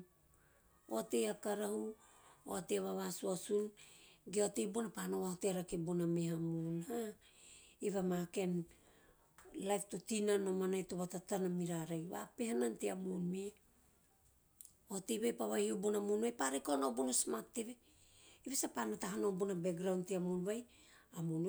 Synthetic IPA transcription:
o̰tejakaɾahuo̰ateβaβasuasunɡeotejbunapanoβahoteaɾakebunamehamunha | iβamake̞n | lajftotinanomanajtoβatatanamiɾaɾajβa̰pehananteamunmi | otejβajpaβahiubunamunβajpaɾekoanobunasmatːeβe | iβesapanataɦanobunabeɡɾawnteamunβaj | amun

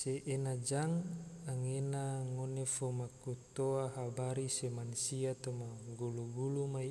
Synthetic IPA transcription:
seʔːnad͡ʒaŋaŋenaŋonefomakut̪oaɦabaɾisemansiat̪omaɡuluɡulumai

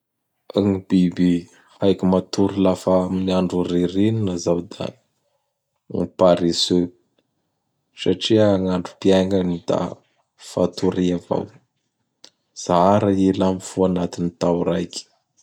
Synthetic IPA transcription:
aŋibibi | hajkimat̪uɾilafaaminiaɳɖ͡ʐuɾiɾininazawd̪a̰ | ŋipaɾisø | saʈ͡ʂiaŋaɳɖ͡ʐupiaŋanid̪̥a̰ | fa̰t̪uɾiava̰w | z̥aɾaelamifuanat̪init̪awɾajkʲi̥

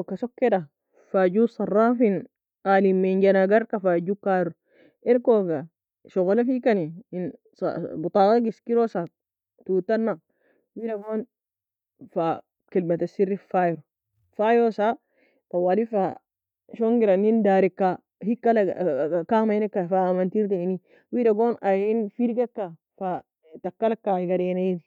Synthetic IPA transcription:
okːasokːeda | faːd͡ʒusˤɑrˤːaːfin | alimeɲɟanaɡaɾkafaːd͡ʒukaɾu | eɾkoɡa | ʃoɣolafikanin | sbut̪ˤɑːɡaɡiskiɾosa | tut̪anːa | wiɾamon | fa | kilmat̪asiɾːifajɾo | fajɾosa | fawalifa | ʃoŋɡiɾanindaːɾikːa | hikːalakamajinekːafaːmantiɾdeni | widaɡoːnajinfiɾɡekːa | fa | takːalakːaiɡaɾenaidi

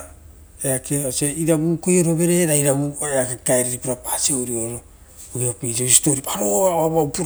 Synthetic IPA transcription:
eakeaseiɾabuːko̞jo̞ɾo̞be̞ɾeɾaiɾabueakekaeɾiɾipiɾapaːsioɾioɾo | oiapisoisi̥toɾipaɾoaaβawpuɾ

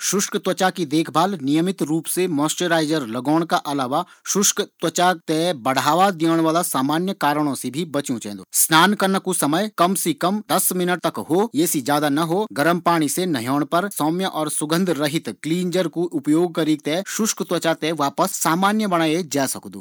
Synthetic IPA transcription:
ʃʊʃkt̪wɐt͡ʃakid̪eːkʰbʱaːlnɪjəmɪt̪ɾuːpsemɔːsʈeɾaːɪd͡ʒəɾlɐɡɔːɽ̃kaʔɐlaːʋaʃʊʃkt̪wɐt͡ʃat̪ɛbɐɽ̤ʱaːʋad̪ijəːɽ̃ʋaːlasaːmaːnjəkaːɾəɽ̃õsebʱibɐt͡ʃũt͡ʃɛ̰̃ːnd̪o̰ːsnaːnkɐɾnakusɐməjkɐmsikɐmd̪ɐsmɪnəʈ̚t̪ɐkɦoːjɛːsid͡ʒjaːd̪anɐɦoːɡɐɾəmpaːɽ̃isenɐɦjɔːɽ̃pɐɾsɔːmjəʔɔːɾsʊɡə̃nd̪ʱɾɐɦɪt̪kliːnd͡ʒəɾkuʔʊpjoːɡ̚kɐɾiːk̚t̪ɛʃʊʃkt̪wɐt͡ʃat̪ɛʋaːpəsːaːmaːnjəbɐɽ̃aːed͡ʒaːsɐkd̪o̰ː

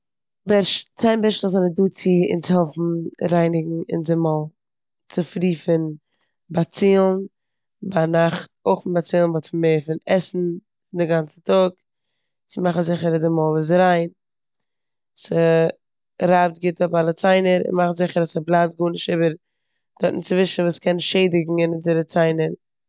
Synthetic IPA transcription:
bɛɾʃt͡saɪnbɛɾʃnszɛnəduːt͡sɪɪ̰nt͡sɪhɔfmn̩ɾaɪnɪɡŋ̩ɪ̰nzɪmɔlˠ | t͡sɪfɾiːfɪn | bat͡siːlˠn | banaχtoɪχɪnbat͡siːlˠnbɔtfmeːfɪnɛsn̩ | fɪndɪɡant͡sə̥tɔk | sɪmaχzɪχəɾədɪmɔlˠɪs̬ɾaɪn | sə | ɾab̚tɡɪtɔpalˠət͡saɪnəɾɪ̰nmaχnzɪχəɾasəblˠab̚t̚ɡuːnɪʃtiːbəɾ | d̥ɔɾtnɪt͡svɪʃn̩vuːskɛnʃeɪdɪɡŋ̩ɪnɪnzɪɾət͡saɪnəɾ

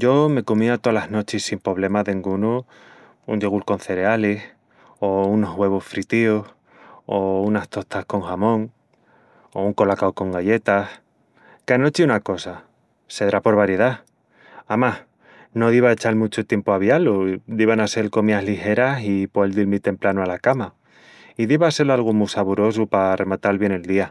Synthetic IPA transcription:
ɟ͡ʝo̞me̞komiat̪olaɦno̞t͡ʃisimpo̞β̞le̞maðeŋɡunu | und͡ʒe̞ɣ̞ulko̞nθe̞ɾe̞alis | ouno̞ɦwe̞β̞osfɾit̪ioh | ounaht̪o̞t̪ahko̞ŋxamõ̞ŋ | ouŋko̞lakaoko̞ŋɡaʎe̞t̪ah | kano̞t͡ʃiunako̞sa | se̞ðɾapo̞ɾβaɾje̞ð̞a | amah | no̞ðiβaet͡ʃalmut͡ʃot̪je̞mpoaβ̞jalod̪iβanase̞lko̞miaɦlixe̞ɾasipoeld̪ilmit̪e̞mplanoalakama | iðiβase̞lalɣ̞omusaβuɾo̞supare̞mat̪alβje̞ne̞ld̪ia

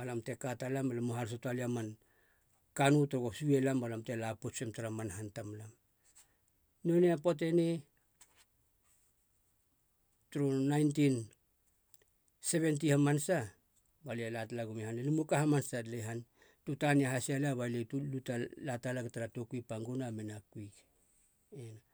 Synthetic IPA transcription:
alamte̞katalamalamuɦals̬otualiaman | kanutuɾoɡosuelambalamte̞lapot͡ʃemtaɾamanɦantamlam | noneapot̬e̞ne | tuɾonajntin | se̞βe̞nt̬ihamansa | balialatlaɡumehanelimukahamansadleɦan | tutaniaɦasialaβaletulutalatalaɡetaɾatokuipaŋɡunamenakuik | ena

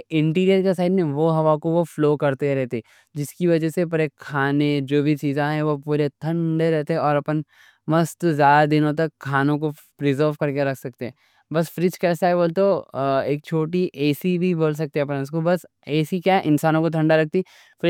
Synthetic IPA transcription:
ɪ̃ɳʈiːɾijəɾkesaːɪɖmẽʋoɦɐʋakoʋofloːkɐɾt̪eɾɛɦt̪eː | d͡ʒɪskiʋɐd͡ʒɛsep̬ɐɾekʰːaːned͡ʒoːbʱit͡ʃiːzãɦɛ̃ʋopuːɾet̪ʰɐ̃ɳɖeɾɛɦt̪eɦɛ̃ɔːɾɐpən | mɐst̪zjaːd̪ad̪ɪnõt̪̬ɐkʰːaːnõko | pɾɪzəɾʋkɐɾkeɾɐkʰsɐk̚t̪eɦɛ̃ː | bɐsfɾɪt͡ʃkɛːsaɦɛboːlt̪oeːk̚t͡ʃʰoːʈiʔɛːsibʱiboːls̬ɐk̚t̪iɦɛɐp̬ns̬kobɐs | ɛːsikjaːʔɪnsaːnõkot̪ʰɐ̃ɳɖaɾɐk̚ʰt̪i | fɾ

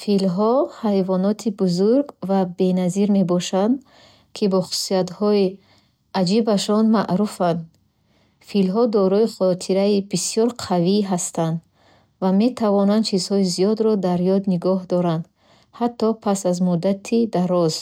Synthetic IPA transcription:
filɦɔhajvɔnɔt̪ʰibuzuɾɡvabe̞naziɾme̞bɔʃand̪ | kʰibɔχu̥su̥siat̪hɔi | ad͡ʒibaʃɔnmaʔɾufand̪ | filɦɔd̪ɔɾɔiχɔt̪ʰiɾaibisiɔɾqʰaviɦast̪and̪ | vame̞t̪ʰavɔnand̪t͡ʃʰizhɔizijɔd̪ɾɔd̪aɾjɔd̪niɡɔɦd̪ɔɾand̪ | hat̪ʰːɔpʰasazmud̪at̪ʰid̪aɾɔz̥

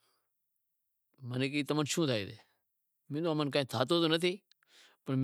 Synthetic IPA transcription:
mənek̬iːt̪əmənt͡ʃʰũːt̪ʰaːiːd̪eː | mɪ̃ːd̪oəmənkãːĩːt̪ʰaːt̪̬oːt̪oːnət̪ʰiː | pəɳm

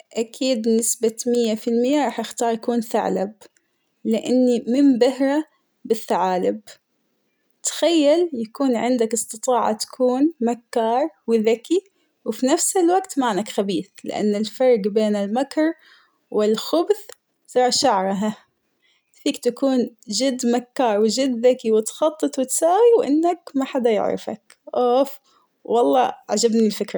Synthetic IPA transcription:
ʔakʰiːd̪nɪsbamɪjːafɪlmɪjːaɾˤɑːħjɪxt̪ɑːɾˤjakuːnθa̰ʕlab̚ | lɪʔanːimɪmbahɾˤa | bɪθːaʕaːlɪb̚ | t̪xajːaljakuːnʕɪnd̪akɨsˤt̪ɨt̪ˤɑːʕa̰t̪ḁkʰuːnmakːɑːɾˤwɪðaki | wɪfinafsɪlwaɡt̪maːnakxabiːθlɪ̰ʔa̰nːɪlfɑɾˤɡbeːnɪlmakɾˤ | wɪlxʊbθ | ɾˤɑːʃaʕɾˤɑɦa | fiːkt̪akuːnd͡ʒɪd̪ːmakːɑːɾˤwɪd͡ʒɪd̪ðakiwɪt̪xɑt̪ˤːɨt̪ˤwɪt̪saːwiwʔɪ̰nːakmaħad̪ajɪ̰ʕɾˤɪ̰fa̰k | ʔoːf | wɑlˤːɑ̰ʕad͡ʒabnilfɪkɾˤɑ

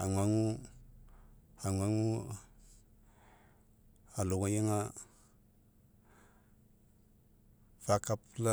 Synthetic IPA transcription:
a̰ŋʷaŋu | aŋʷaŋu | aluŋajiŋa | fakapla

